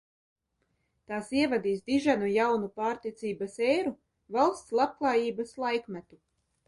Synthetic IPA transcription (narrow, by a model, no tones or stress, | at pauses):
t̪aːsiɛvad̪iːsd̪iʒanujawnupaːɾt̪iɛt̪siːbasɛːɾu | valˠst̪slˠab̚klˠɑːjiːbaslˠajkmæt̪u